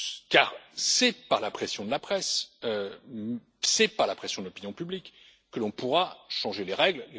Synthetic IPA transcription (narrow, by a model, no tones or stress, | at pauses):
kaʁsɛpaʁlapχɛsjɔ̃d̪əlapχɛsø | sɛpaʁlapχɛsjɔ̃d̪əlɔpinjɔ̃pyblikː | əlɔ̃puʁaʃɑ̃ʒeleʁɛɡlle